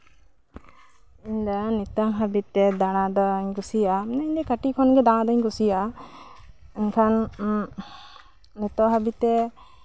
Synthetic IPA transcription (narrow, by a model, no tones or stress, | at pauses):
iɲd̪ənit̪əɦabit̪ːɛd̪aɽ̃ãd̪əɲkusianaɲd̪ɛkəʈikʰɔnɡɛd̪ããd̪ɔɲkusija | ɲkʰan | nit̪ɔɦabit̪ːɛ